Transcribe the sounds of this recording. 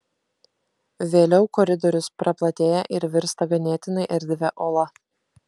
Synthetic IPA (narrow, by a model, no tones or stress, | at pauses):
ʋʲeːlʲɛʊkɔɾʲɪd̪ɔɾʲʊspɾɐplˠɐt̪ʲeːjɛʔɪɾʋʲɪɾst̪ɐɡɐnʲeːt̪ʲɪnɐɪʔɛɾʲd̪ʲʋʲɛʔoːlˠɐ